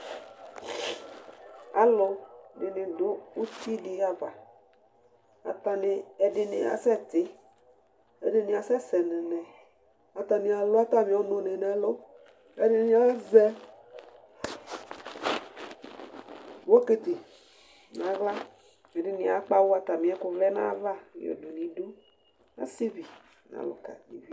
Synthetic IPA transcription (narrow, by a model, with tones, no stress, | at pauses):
a̰˨lʊ˨nɪ˨nɪ̃˨dʊ˦u˦t̪i˦di˨a˦va˨ | a̰˨t̪a˨ne˨ɛ˨ɖɪ˨nɪ̰̃˨a̰˨sɛ˦˨t̪ɪ˦ | ḛ˦dɪ˦nĩ˨a˨sɛ˦sɛ˨nẽ˨nɛ̃˨ | a˨t̪a˨nĩ˨a˨lo˦a˦t̪a˦mĩ˨˦o˦nõ˨nẽ˨nɛ̃˨lo˦ | e˦dɪ˦nĩ˦a˦zɛ˦ | wo˦ke˨t̪e˨ | n˨ã˨ɣla˦ | me˨ɖɪ˨nĩ˨a̰˨k͡pa˦wo˦a˦t̪a˨mĩ˨a˦kʊ˨vlɛ˦nã̰˦va˦ḭ˨o̰˨du˨nĩ˨du˦ | a̰˦si˦vi˨ | nã̰˦˨lʊ̰˨ka̰˨nḭ˨vi˦